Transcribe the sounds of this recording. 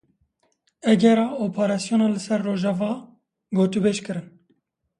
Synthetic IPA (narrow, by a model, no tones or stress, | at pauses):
ɛɡɛɾɑːoːpʰɑɾɑsjoːnɑːlɨsɛɾːoːʒɑvɑː | ɡoːt̪ubeʃkɨɾɨn